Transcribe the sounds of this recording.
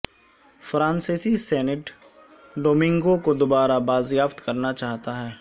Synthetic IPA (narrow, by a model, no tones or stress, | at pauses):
fɾãːnseːsisɛːnɪʈ | ɖoːmɪ̃ŋɡokod̪ʊbaːɾabaːzjaːft̪kɐɾnat͡ʃaːɦt̪aɦɛː